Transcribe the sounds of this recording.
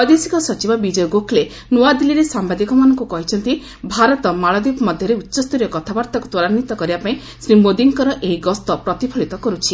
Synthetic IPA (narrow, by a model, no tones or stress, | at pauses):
ɔd̪esikɔsɔt͡ʃibɔbid͡ʒɔjɔɡokʰle | noad̪iliɾesambad̪ikɔmanɔŋkukɔɦit͡ʃʰɔnt̪i | bʱaɾɔt̪ɔmaɭɔd̪ibmɔd̪ʱjɔɾeutːʃɔst̪uɾjɔkɔt̪ʰabaɾt̪aku̥t̪ɔɭanːit̪ɔkɔɾibapaĩ | sɾimod̪iŋkɔɾɔʔeɦiɡɔst̪ɔpɾɔt̪ipʰɔɭit̪ɔkɔɾut͡ʃʰi